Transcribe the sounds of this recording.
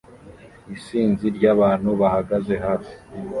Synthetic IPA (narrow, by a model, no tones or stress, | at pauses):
isiːnziɾɟaβaːn̥huβahaɡaze̞ɦaːfi̥